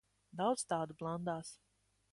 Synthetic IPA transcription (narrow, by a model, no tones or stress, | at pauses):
d̪awd̪zt̪aːd̪ublˠand̪aːs